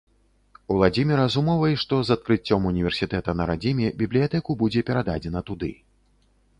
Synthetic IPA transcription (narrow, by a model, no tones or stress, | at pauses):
ulˠad͡zʲimʲɛɾɐzumɔvɐjiʂt̪ɔzɐt̪̚kɾɨt͡sʲːɔmunʲivʲɛrsʲit̪ɛt̪ɐnɐɾad͡zʲimʲɛbʲiblʲijat̪ɛkubud͡zʲɛpʲɛɾad̪ad͡zʲɛnɐt̪ud̪ɨ̰